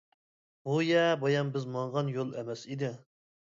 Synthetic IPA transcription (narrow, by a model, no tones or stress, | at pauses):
bujɛbɑjɑmbɪzmɑɴʁɑnjolˠɛmɛsid̪ɪ